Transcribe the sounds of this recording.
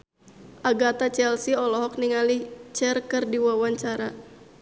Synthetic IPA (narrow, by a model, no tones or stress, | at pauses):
ʔaɡat̪at͡ʃɛlsiɔlɔɦɔk̚niŋalit͡ʃɛrkɨrdiwawaɲt͡ʃaɾa